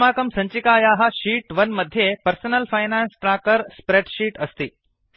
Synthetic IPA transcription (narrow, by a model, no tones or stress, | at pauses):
maːkəmsəɲt͡ɕikajaɦaɕiːʈʋənməd̪ʱjepəɾsənəlfajnansʈɾakəɾspɾeʈɕiːʈəst̪iː